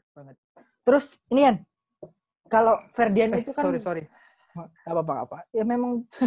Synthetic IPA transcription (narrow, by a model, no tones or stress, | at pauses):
t̪əɾʊsinikan | kalofɛrdianait̪ukaɾisoɾi | apapaŋa̰pajamemaŋ